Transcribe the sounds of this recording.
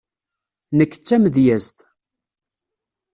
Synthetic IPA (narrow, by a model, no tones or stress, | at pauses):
nəkːt͡sːæməðjæzt̪